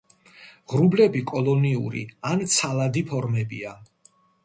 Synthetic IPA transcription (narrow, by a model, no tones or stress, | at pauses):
ʁɾublɛbikʼɔlˠɔniṵɾḭant̪sʰalad̪ipʰɔɾmɛbḭa